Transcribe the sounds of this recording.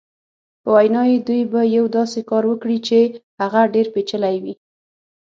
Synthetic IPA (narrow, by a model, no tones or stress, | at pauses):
pəwajnɑjed̪ujbajawd̪ɑsekɑɾwəkɽit͡ʃehaɣaɖeɾpet͡ʃəlajwi